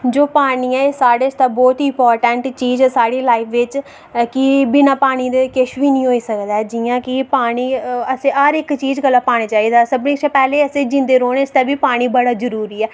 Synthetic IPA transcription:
d͡ʒoːpaːɳiːɛːɪsaːɽeːst̪aːbɔːt̪ɪ̃mpɔːɾʈəɳʈt͡ʃiːzɛːsaːɽiːlaːɪpʰʋɪt͡ʃ | kɪbinãːpaːɽ̃iːd̪eːkɪʃʋiːnĩːɦoːiːsəkd̪aɛd͡ʒijãːkɪpaːɽ̃iːəsẽːaɾɪkt͡ʃiːd͡ʒɡəlːaːpaːɽ̃aːt͡ʃaːiːd̪aːsəbnĩːseːpɛːleːəsẽːd͡ʒɪ̃nd̪eːɾoːñest̪aːbiːpaːɽ̃iːbəɽaːd͡ʒəɾuːɾiːɛː

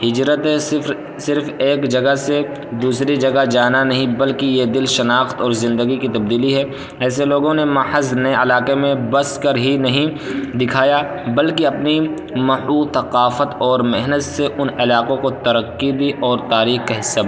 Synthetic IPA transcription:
ɦɪd͡ʒɾət̪ẽɪfɾ | sɪɾfeːkd͡ʒɐɡəse | d̪uːsɾid͡ʒɐɡad͡ʒaːnanɐɦĩbɐlkijed̪ɪlʃɐnaːxt̪ɔːɾzɪ̃nd̪əɡikit̪ɐb̚d̪iːliɦɛː | ɛːs̬eloːɡõnemɐhəzneɐlaːqemẽbɐskɐɾɦinɐɦĩ | d̪ɪkʰaːja | bɐlkiɐpni | mɐhuːt̪ɐqaːfət̪ɔːɾmɪɦnət̪seʔʊnɪlaːqõkot̪ɐɾəqːid̪iʔɔːɾt̪aːɾiːxkɐɦɪsːab

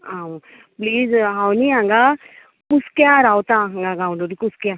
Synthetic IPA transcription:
a | pliːzɦawniãŋɡa | kuskjaɾawt̪aɦãŋɡaɡawɳɖuɾikuskja

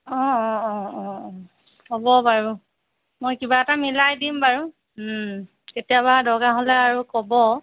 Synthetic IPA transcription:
ɔ̃ɔ̃ɔ̃ɔ̃ | hobɔbaɹu | mojkibaɛtamilajdimbaɹu | ketijabadɔɡaɦolɛaɹukɔbɔ

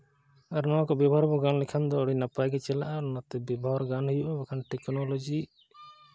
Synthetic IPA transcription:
aɾnɔakɔbɛbɔɦɔɾbɔɡanlɛkʰand̪ɔːɽinapajɡɛt͡ʃɛlaʔaɾnat̪ɛbɛbʱɔɦɔɾɡanɦujuʔɔbɛkʰanʈɛknɔlɔd͡ʒi

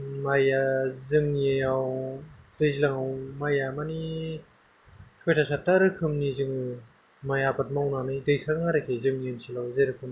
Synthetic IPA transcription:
majazɯŋjejawdɯzilaŋawmajamani | tʰɔjtʰasʰataɾɯkʰɯmnizɯŋɯ | majapat̚mawnanɯjdɯjkʰaŋaɾakʰezɯŋjɯnsʰilawzeɾɯkʰɯm

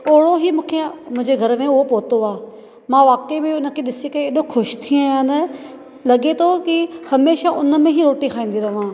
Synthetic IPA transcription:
oːɽoɦimũːkʰemʊ̃ɦɪ̃ɲd͡ʑeɡʱɐɾmẽʊɦopoːt̪oaː | mãʋaːkemẽʊnə̆kʰeɗɪsekɐẽeːɗoxʰʊʃt̪ʰiaːjãnə | lɐɠet̪ʰokihɐmeːʃaʔʊnə̆mẽɦiɾoːʈikʰaːĩːn̆d̪iɾɐʋãː

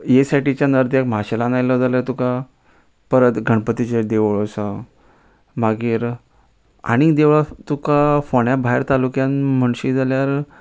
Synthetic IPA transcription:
jesaʈit͡ɕjanəɾd̪jekm̤aɕelanajləd͡zaljat̪uka | pəɾət̪ɡʱəɳ̃pət̪it͡ɕed̪eʋɭosa | maɡiːɾ | a̰ɽ̃id̪eʋat̪ukafoɳjabʱaɦeɾt̪alukjãnm̤əɳɕid͡zaljaɾ

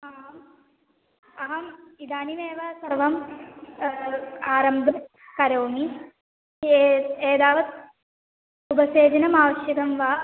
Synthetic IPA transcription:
ɐɦɐm | ɐɦɐmid̪aːnineːʋɐsɐɾʋɐm | aːɾɐmd̪ʱɐ | kɐɾoːmi | eːd̪aːʋɐt̪̚ | ubɐseːd͡ʒɐnɐmaːʋɐʃjɐɡɐmʋa

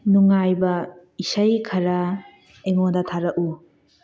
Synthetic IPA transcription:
nuŋajbɐ | isɐjkʰɐɾa | eŋodɐtʰaɾɐʔu

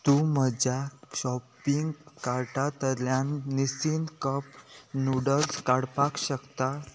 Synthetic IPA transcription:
t̪uməd͡ʑaɕɔpiŋɡkaɾʈat̪əljãnːisiːnkəpnuɽət͡skaɽpakɕəkt̪a

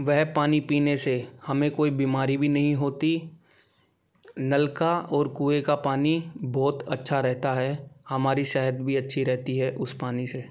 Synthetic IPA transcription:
ʋɛɦpaːnipiːnesehɐmẽkoːibiːmaːɾibʱinɐɦĩɦoːt̪i | nɐlkaɔːɾkuːekapaːnibɔːt̪ɐtːʃʰaɾɛɦt̪aɦɛhɐmaːɾiʃɛɦəd̪bʱiɐtːʃʰiɾɛɦt̪iɦɛʔʊspaːnise

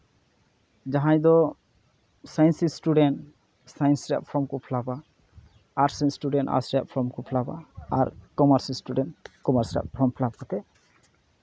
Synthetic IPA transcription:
d͡ʒaɦãj̃d̪ɔ | sajnsisʈuɖenʈ | sajnsɾa̰p̚pʰɔmkupʰlaba | aɾsajnsʈuɖena̰sɾap̚pʰɔmkupʰlaba̰a̰ɾkɔmaɾsisʈuɖenkɔmaɾsɾa̰p̚pʰɔmpʰlabkat̪ɛ

